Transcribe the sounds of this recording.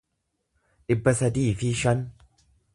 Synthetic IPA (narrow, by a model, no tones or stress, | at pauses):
ᶑɪbːɐsɐd̪iːfiʃɐn